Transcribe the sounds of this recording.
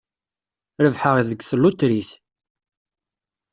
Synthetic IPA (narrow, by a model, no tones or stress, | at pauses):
ɾəvħəʁðəɡːθəlːut̪ːɾis